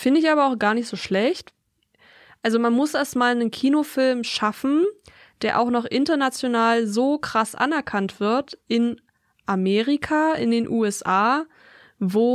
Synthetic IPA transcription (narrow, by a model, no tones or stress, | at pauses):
fɪndəɪçaːbɐaʊxɡ̥aːɐnɪçtz̥oːʃlɛçt | ʔalzomanmʊsʔɛɐstmaːlnənkʰiːnofɪlmʃafn̩ | d̥eːɐʔa̰ʊxnɔχʔɪntɐnat͡sjonaːlzoːkʁ̥asʔa̰nɛɐkʰantv̥ɪɐtʔɪn | ʔameːʁikʰaɪ̰ndeːnʔuːɛsʔaː | voː